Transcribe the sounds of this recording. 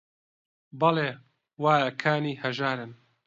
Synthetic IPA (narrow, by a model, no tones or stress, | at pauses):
bɑleː | waːjɐkʰaːniːhɐʒaːɾɨn